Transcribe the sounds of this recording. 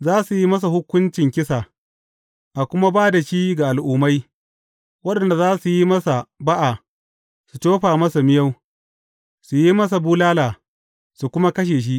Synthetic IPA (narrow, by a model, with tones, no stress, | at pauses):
zaː˦su˨ji˦mɐ˦s̬a˨hʊ˦kʷːʊ˦nt͡ʃɪ˨ŋkʲɪ˦sa˨ | ʔa˨kʷʊ˦ma˦baː˦da˨ʃiː˦ɡa˨ʔa˨lʔʊ˨ma˦j | wɐ˦ɗɐ˨nda˨zaː˦su˨ji˦mɐ˦sa˨ba˦ʔa˨ | su˨toː˦ɸaː˨mɐ˦sa˨mɪ˦ja˦w | su˨ji˦mɐ˦s̬a˨buː˦laː˦laː˨ | su˨kʷʊ˦ma˦kɐ˦ʃ̬eː˨ʃ̬i˦ʔ